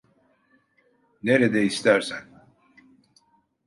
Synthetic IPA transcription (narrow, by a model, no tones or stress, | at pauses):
neɾed̪ɛist̪ʰæɾsæn